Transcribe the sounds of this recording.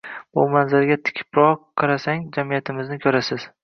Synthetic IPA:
bʊmanzaɾɡʲat̪ʰɪ̥kʲʰɪ̥pɾɒqʰːɑɾasaŋd͡ʒamijat̪ʰɪmɪznɪkʲʰɵɾasɪz̥

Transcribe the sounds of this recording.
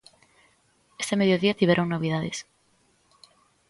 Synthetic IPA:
est̪emeðjoðiat̪iβeɾoŋnoβ̞iðaðes

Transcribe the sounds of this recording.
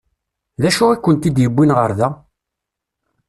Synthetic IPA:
ðæʃʊikʷːənt̪id̪jəbːinʁəɾðæ

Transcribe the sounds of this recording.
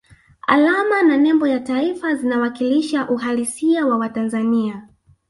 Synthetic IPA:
a̰lamananɛmbɔjataifazinawakiliʃaʔuɦalisiawawatanzania

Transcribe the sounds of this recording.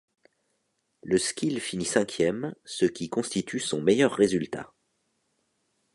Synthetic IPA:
ləskʲilfinisɛ̃kʲʰjɛmsəkʲikɔ̃st̪it̪ʰysɔ̃mejœʁːezylt̪a̰

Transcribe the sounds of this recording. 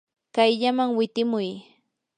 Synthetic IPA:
kajʎamaŋwɪt̪ɪmʊj

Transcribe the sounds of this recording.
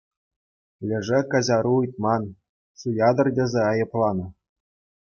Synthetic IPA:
lʲɘ̆ʐɘkɑʑʲɑɾuɯjt̪̚mɑn | sujʲɑd̪ɤ̆rdʲĕzʲeɑjɤ̆plˠɑnɤ̆

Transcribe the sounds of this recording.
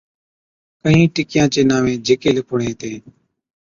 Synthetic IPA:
kəɦĩːʈɪkɪjãːt͡ʃeːnaːʋẽːd͡ʒeːkeːlɪkʰʊɳẽːt̪eː

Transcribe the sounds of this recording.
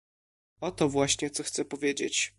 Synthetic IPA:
ɔt̪ɔvwaɕɲɛt̪sɔxt̪sɛpɔvʲjed͡ʑḛt͡ɕ

